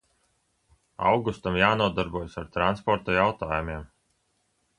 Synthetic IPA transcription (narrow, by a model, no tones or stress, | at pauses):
a̰wɡust̪amjaːnuɔd̪aɾbuɔjsaɾt̪ɾanspɔɾt̪ɔjawt̪aːjumʲiɛm